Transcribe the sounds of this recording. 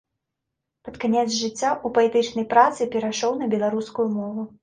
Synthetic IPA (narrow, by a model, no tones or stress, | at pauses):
pɐt̪kanʲɛt̪zʐɨt͡sʲːaʔupɐɛt̪ɨt͡ʂnɐjpɾat̪sɨpʲɛɾaʂɔwnɐbʲɛlˠaɾuskujumɔvu